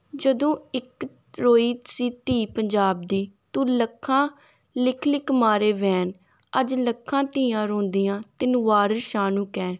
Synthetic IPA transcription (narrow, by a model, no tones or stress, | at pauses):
d͡ʒəd̪õːɪk | ɾoːiːsiːt̪iːpəɲd͡ʒaːbd̪iːt̪uːləkʰːãː | lɪkʰlɪkmaːɾeːʋɛːn | əd͡ʒləkʰːãːt̪ɪ̃ːãːɾõːnd̪iːjãːt̪ɪnʋaːɾəʃaːnũːkɛːn